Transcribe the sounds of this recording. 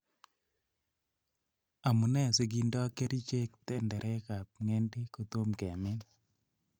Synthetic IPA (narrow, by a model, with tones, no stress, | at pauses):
a˨mu˨nɛ˦˨se˨ɡi˦ndɔ˦ke˦ɾi˦t͡ʃe˦k̚t̪ɛ˦ndɛ˨ɾʔɛ˦ka˨p̚ŋɛ˦ndɪ˦ko˨t̪o˦mkɛ˨mɪ˦n